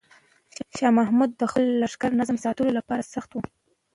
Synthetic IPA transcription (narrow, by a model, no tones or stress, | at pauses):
ʃɑmahmud̪ːəxəlːaʂkaɾnazmsɑt̪əlolapɑɾasaxt̪wu